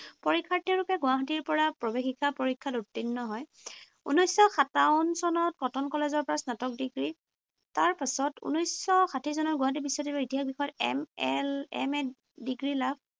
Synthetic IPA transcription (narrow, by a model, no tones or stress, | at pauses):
pɔɹikʰːateɹupɛɡʊaɦatiɹpɔɹapɹɔbexikʰːapɔɹikʰːatutːinːɔɦɔj | ṵnɔjsːɔxataʊnsɔnɔt̚kɔtʰɔnkɔlezɔɹpɔɹasnatɔk̚diɡɹi | taɹpasɔtṵnɔjsɔxatʰisɔnɔtɡʊãɦat̬ibisːɔtiɔitiɦaxbixɔjɔtɛ̰mɛlɛ̰m | diɡɹilab̚ʰ